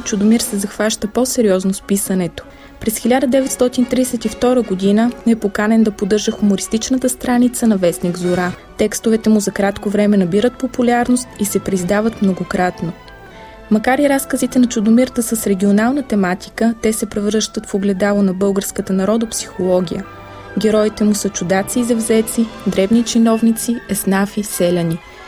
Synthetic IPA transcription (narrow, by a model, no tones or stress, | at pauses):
t͡ʃʊd̪omiɾsɛzɐxvaʃt̪əpɔsɛɾiɔznospisənɛt̪o̥ | pɾɛsxʲilʲad̪əd̪ɛvɛt̪st̪ɔt̪int̪ɾiɛsɛt̪ift̪ɔɾəɡod̪inəɛpokanɛnd̪ɐpod̪ɤɾʒəxumoɾist̪it͡ʃnət̪əst̪ɾanit̪sənɐvɛsniɡzoɾa | t̪ɛkst̪ovɛt̪ɛmuzɐkɾat̪kovɾɛmɛnɐbiɾət̪̚populʲaɾnost̪isɛpɾizd̪avət̪mnoɡokɾat̪no | mɐkaɾiɾaskəzit̪ɛnɐt͡ʃʊd̪omiɾt̪əsəsɾɛɡʲionalˠnət̪ɛmat̪i̥kət̪ɛsɛpɾɛvɾɤʃt̪ət̪foɡlɛd̪alˠənɐbɤlˠɡəɾskət̪ənɐɾɔd̪opsi̥xolˠɔɡʲijə | ɡʲɛɾɔit̪ɛmusət͡ʃud̪at̪siːzɐvzɛt̪sid̪ɾɛvnit͡ʃinɔvnit̪siɛsnafisɛlʲɐni